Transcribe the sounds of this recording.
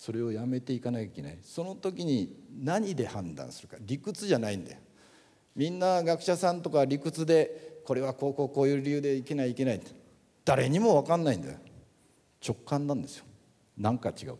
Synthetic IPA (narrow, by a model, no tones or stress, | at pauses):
so̞ɾe̞o̞jame̞t̪e̞ikanakaikʲe̞na̰iso̞no̞t̪o̞k̬ʲiɲ̟inaɲ̟id̪e̞hãnd̪ã̰ɰ̃sɨɾɯ̟kaɾʲikɯ̟t͡sɨʑanaĩnd̪a̰jo | mʲĩnːaɡakɯ̟ɕasãnt̪o̞kaɾʲikɯ̟t͡sɨd̪e̞ko̞ɾe̞βakoːko̞ːko̞ːjɯ̟ːɾʲijɯ̟ːd̪e̞ike̞naiːke̞nait̪ | d̪̥aɾe̞ɲ̟imo̞βakãnːaĩnd̪a̰jo | t͡ɕo̞kːãnd̪ãnd̪e̞sɨjo̥ | nãŋkat͡ɕiɡa̰ɯ̟